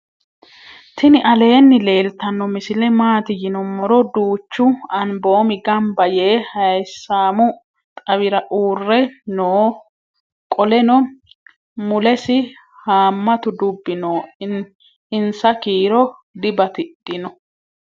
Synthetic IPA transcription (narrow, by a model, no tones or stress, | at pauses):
t̪ɪnɪʔɐle̞ːnːɪle̞ːlt̪ɐnːɔmɪsɪlɛmaːt̪ɪjɪnɔmɔɾɔd̪uːt͡ʃːʊɐnbo̞ːmɪɡɐmbɐje̞ːhɐjsːaːmʊ | t̪ʼɐβɪɾɐʔuːrːɛnoː | kʼɔlɛnɔ | mʊlɛsɪ | haːmːɐt̪ʊd̪ʊbːɪnoː | ɪnsɐkiːɾɔd̪ɪbɐt̪ɪd̥ɪnɔ